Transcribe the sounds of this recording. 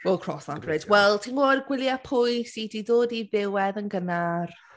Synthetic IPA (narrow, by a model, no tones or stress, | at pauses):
wɛlˠkʰr̥ɔsabrɛdwɛlˠtʰinoːdɡwɪlˠjapʰʊjsidiðoːdiðɪwɛðənɡənar